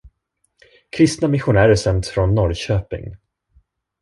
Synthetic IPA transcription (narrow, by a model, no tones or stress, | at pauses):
kʰɾɪst̪namɪɧʊnæːɾəʂɛmt̪fɾɔnːɔɾɕøːpɪ̰ŋ